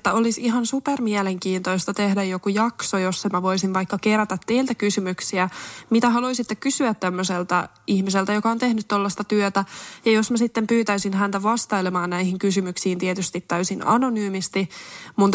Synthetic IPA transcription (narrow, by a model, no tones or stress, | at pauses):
et̪ːæolisihɑnsupermiɛleŋkiːnt̪oist̪ɑt̪ehdæjjokujɑksojosːemæʋoisinʋɑikːɑkeræt̪æt̪ːeilt̪ækysymyksiæmit̪æɦɑluisit̪ːekkysyæt̪ːæmːøselt̪æ | ihmis̬elt̪æjokɑont̪ehnyt̪tolːɑst̪ɑt̪yøt̪æjɑjosmæsit̪ːempyːt̪æisinhænt̪æʋɑst̪ɑilemɑːnnæihiŋkysymyksiːnt̪iet̪yst̪it̪t̪ːæysinɑ̰nonyːmist̪imunt̪